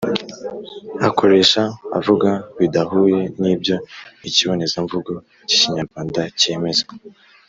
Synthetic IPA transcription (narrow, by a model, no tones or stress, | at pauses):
akʰo̞ɾe̞ʃa̰ːvuɡaβidaɦuːje̞niːbjo̞iciβo̞nezaɱvuɡo | ci̥ciɲaɾɡwaːndace̞me̞ze